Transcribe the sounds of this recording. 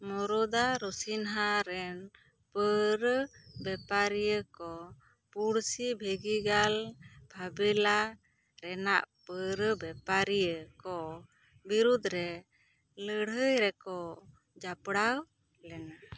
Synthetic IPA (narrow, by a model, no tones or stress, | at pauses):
mɔɾɔd̪aɾɔsinɦaɾɛn | pəɾəbɛpaɾijəkɔ | puɽsibʱeɡiɡalbʱabila | ɾɛnaʔpəɾəbɛpaɾijəkɔ | biɾud̪ʱɾɛ | ləɽɦəjɾɛkɔ | d͡ʒapɽaw | lɛna